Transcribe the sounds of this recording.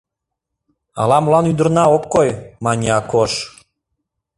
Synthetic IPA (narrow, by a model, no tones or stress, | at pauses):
ɑ̰lɑmlɑnyd̪ə̆rnɑokːojmɑnʲiɑkoʃ